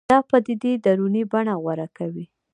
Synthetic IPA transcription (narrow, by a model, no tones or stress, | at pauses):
ɑpəd̪id̪id̪aɾunibaɳaɣwaɾakawi